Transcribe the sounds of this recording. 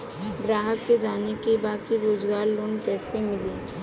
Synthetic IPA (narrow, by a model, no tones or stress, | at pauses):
ɡɾaːɦəkːed͡ʒanekebakiɾoːd͡ʒɡaɾlonkɛːsemɪli